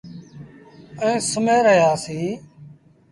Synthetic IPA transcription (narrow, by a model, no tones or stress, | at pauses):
ɛ̃ːsəmeːɾəɦjaːsĩː